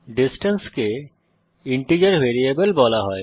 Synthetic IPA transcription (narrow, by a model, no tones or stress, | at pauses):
ɖisʈenske | iɳʈid͡ʑaɾbeɾiebelbɔlaɦɔe